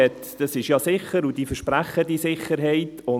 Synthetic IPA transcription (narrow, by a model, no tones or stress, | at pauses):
ɛt | d̥ɑsɪʃjɑsɪχəɾud̥iːfəɾʃpɾæχədisɪχːəɾɦɛɪtʊ